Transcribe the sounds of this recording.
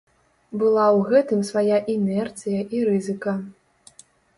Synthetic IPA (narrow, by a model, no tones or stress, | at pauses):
bɨlˠawɣɛt̪ɨmsvajaʔinɛrt̪sɨjɐʔiɾɨzɨkɐ